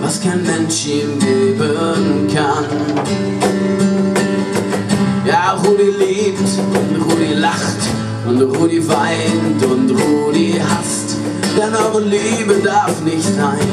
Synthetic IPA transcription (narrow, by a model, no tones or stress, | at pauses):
vaskʰaɪnmɛnʃinliːbənkʰan | jaːʁuːdiːliːpt | ʊntʁuːdilaχt | ʊntʁuːdiːvaɪntʊntʁuːdihast | d̥ɛnabəliːbədaɐfnɪçtz̥aɪn